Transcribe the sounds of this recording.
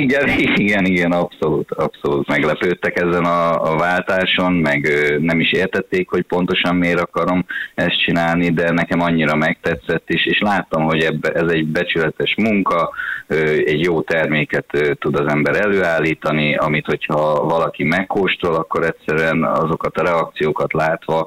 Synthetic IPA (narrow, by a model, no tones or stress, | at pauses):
ɛɾiɡɛniɡɛnɒpso̞luːt̪ɒpso̞luːt̪mɛɡlɛpøːt̪ːɛkɛzɛnɒːvaːlt̪aːʃo̞nmɛɡøːnɛmiʃeːrt̪ɛt̪ːeːkho̞cpo̞nt̪o̞ʃɒmmeːɾɒkɒɾo̞mɛst̪̚t͡ʃinaːlnid̪ɛnɛkɛmɒɲːiɾɒmɛk̚t̪ɛt̪sɛt̪ːiʃeːʃlaːt̪ːomɦo̞ɟɛbɛzɛɟbɛt͡ʃylɛt̪ɛʃmuŋkɒøːɛɟjoːt̪ɛrmeːkɛt̪øːt̪ːud̪ɒzɛmbɛɾɛløːaːlːiːt̪ɒniɒ̰mit̪ho̞chɒvɒlɒkimɛkːoːʃt̪ɾolɒkːo̞ɾɛtsɛɾyɛnɒ̰zo̞kɒt̪ɒɾɛɒk̚t̪sijoːkɒt̪laːt̪ʋɒ